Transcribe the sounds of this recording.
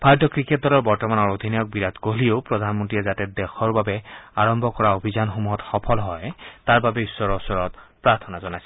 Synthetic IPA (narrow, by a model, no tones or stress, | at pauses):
pʰaɹdɔkɹiket̚dɔlɔɹbɔɹtɔmanɔɹod̪ʱinajɔk̚biɹad̪koliopɹɔd̪ʱanmɔntɹiɛzatɛdɛxɔɹbabɛaɹɔmbʱɔkɔɹaobʱizanxomuɦɔtxɔpʰɔlɦɔjtaɹbabɛisːɔɹɔsɔɹɔtpɹaɹt̪ʰɔnazɔnajsɛ